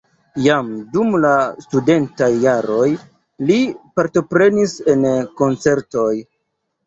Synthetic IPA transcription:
jamdumlastude̞ntajːaɾo̞j | lipaɾto̞pɾe̞nise̞nko̞nt͡se̞ɾto̞j

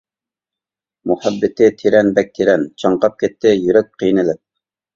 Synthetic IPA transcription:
mʊhæbːɪt̪ʰɪt̪ʰeɾɛnbɛk̚ʲt̪ʰeɾɛnt͡ʃʰɑɴqɑp̚kʲɛt̪ʰːɪjyɾɛt̪̚qʰijnɪlɪp̚

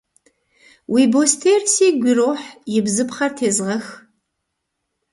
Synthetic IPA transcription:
wʔiːboːstʰeːrseːɡʷiroːħjɪbzɨpχɐrtʰeːzʁɐx

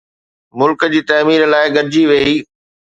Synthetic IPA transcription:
mʊlkəd͡ʑiːt̪ɐːmiːɾlaːɪɡɐɾd͡ʑiʋeːiː

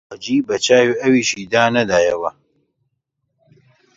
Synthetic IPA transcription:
ad͡ʒiːbɐt͡ʃaːjiʔɐwiːʃiːd̪aːnɐd̪aːjɐwɐ

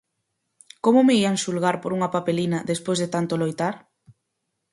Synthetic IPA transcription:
komʊmeiansulɣaɾpoɾuŋɐpapelinɐðespojzðet̪ant̪olojt̪aɾ

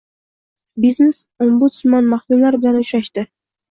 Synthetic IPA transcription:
biznesombʊt̪smanmahkumlaɾbɪlanʊʃɾaʃt̪ɪ

